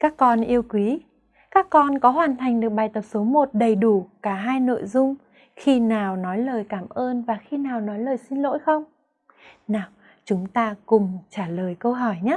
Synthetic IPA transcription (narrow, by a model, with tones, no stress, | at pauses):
kaː˦˥kːɔ˧nʔi˧əwkwi˨˦ | kaː˦˥kːɔ˧nkɔ˨˦ɦwaː˨˩nt̪ʰa˨˩jŋ̟ɗɨ˨˩ək̚ɓaː˨˩jt̪ə˨˩p̚so˨˦mo˨˩t̚ɗə˨˩jɗu˧˩kaː˧˩ɦaː˧jno̰˧˨jzʊ˧ŋ͡m | xi˧naː˨˩wnɔ˨˦jləː˨˩jkaː˧˩mʔəː˧nvaː˨˩xi˧naː˨˩wnɔ˨˦jləː˨˩jsi˧nlo̰˧˥jxə˧wŋ͡m | naː˨˩w | t͡ɕʊ˨˦ŋ͡mt̪aː˧kʊ˨˩ŋ͡mt͡ɕaː˧˩ləː˨˩jkə˧wɦɔ˧˩jɲaː˨˦˥